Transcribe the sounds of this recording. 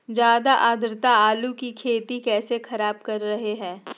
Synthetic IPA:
d͡ʒjaːd̪aʔaːd̪ʱɾɪt̪aaːlukikʰeːt̪ikɛːsexɐɾaːbkɐɾːɐɦeɦɛ̃ː

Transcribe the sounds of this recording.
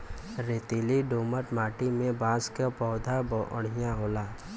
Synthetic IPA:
ɾeːt̪iːliɖoːməʈmaːʈimẽbãːskapɔːd̪ʱabə̰ɽ̤ɪjãɦoːlaː

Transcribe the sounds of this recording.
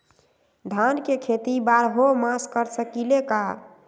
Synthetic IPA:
d̪ʱankekʰet̪ibaɾɦomaskəɾsəkileka

